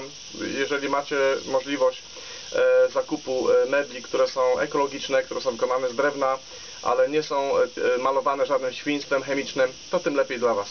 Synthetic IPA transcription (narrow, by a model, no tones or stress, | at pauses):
jɛʐɛlʲimat͡ɕɛmɔʐlʲivɔɕt͡ɕ | zakupumɛbʲlʲikt̪uɾɛsɔ̃w̃ɛ̰kɔlɔɡʲit͡ʂnɛkt̪uɾɛsɔ̃w̃vɘkɔnanɛzd̪ɾɛvna | ʔa̰lɛɲɛsɔ̃w̃malɔvanɛʐad̪nɘmɕfʲiɲst̪fɛmxɛmʲit͡ʂnɘmt̪ɔt̪ɘmlɛpʲjejd̪lavas